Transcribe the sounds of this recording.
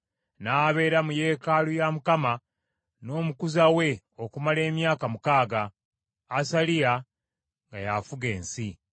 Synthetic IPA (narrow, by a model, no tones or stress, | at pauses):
naːβe̞ːɾamuje̞ːkalujamukama | no̞ːmukuzawe̞ | o̞kumale̞ːmjaːkamukaːɡaː | salija | ŋɡajafuɡe̞ːnsi